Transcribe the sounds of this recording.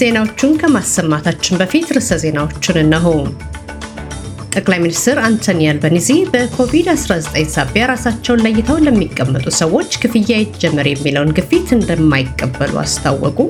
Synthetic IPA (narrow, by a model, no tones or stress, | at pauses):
z̥e̞nawo̞t͡ʃːunkʰəmasːəmːat̪ʰat͡ʃːɪnbəfit̪ɾɨsəze̞nawo̞t͡ʃːɪnɨnːaɦonunu | t̪ʼəkʼlajminist̪ʰɛɾant̪ʰənijalbənizibəkʰo̞vid̪asɾazət̪ʼəɲnsaβjaɾasat͡ʃːɛwnləjːɪt̪ʰəwnləmːikʼːəmːət̪ʼusəwo̞t͡ʃːkʰɨfɨjajɪd͡ʒːɛmːɨɾjɛmːiləwnɡɨfit̪ɨnd̪əmːajɪkʼːəbːəlṵa̰st̪ʰa̰wːɔ̰kʼu